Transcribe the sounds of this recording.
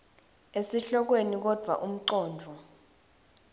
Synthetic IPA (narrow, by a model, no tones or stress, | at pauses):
esiɬɔk̬wenik̬ɔd̥ʱwa̰ʔum̩ǀɔːndʱɔ